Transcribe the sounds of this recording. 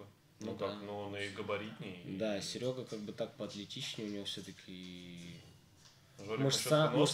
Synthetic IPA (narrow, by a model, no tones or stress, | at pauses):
nud̪anunʊiɡəbɐɾʲitʲnʲɪd̪asʲɪɾʲo̞ɡəkaɡ̚bɨt̪ak̚pəɐt̪lʲɪtʲit͡ɕnʲɪʊnʲɪvofsʲot̪əkʲʰɪ | ʐomɨʂst̪amʊʂ